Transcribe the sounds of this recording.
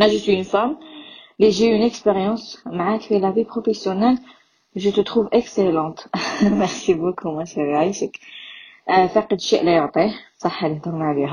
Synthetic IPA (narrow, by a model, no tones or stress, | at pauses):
næʒəswiynfamleʒeynɛkspeʁjɑ̃smaʕakfelævipχofesjonɛl | ʒət̪ət̪χuvʔekselɑ̃t̪mɛʁsibokʰumɔʃɛʁajʃək | faqəd̪ʃiʔlæjɔʕt̪ˤisˤɑħːaliht̪əɾmaʕliɦæ